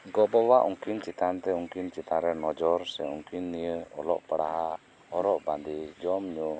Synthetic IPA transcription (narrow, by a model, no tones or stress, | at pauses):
ɡɔbɔwaʔuŋkint͡ʃit̪ant̪ɛuŋkint͡ʃit̪aɾɛnɔd͡ʒɔɾsɛuŋkinːijəɔlɔ̰ʔpəɽa̰ɦa | hɔɾɔʔband̪id͡ʒɔmɲɔ